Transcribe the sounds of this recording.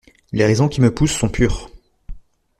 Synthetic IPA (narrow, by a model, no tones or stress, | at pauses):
leʁɛzɔ̃kʲiməpusːɔ̃pʰyːʁ